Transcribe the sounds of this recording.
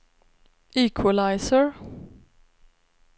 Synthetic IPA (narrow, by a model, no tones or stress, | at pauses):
ʔiːkʰwalaɪsəɹ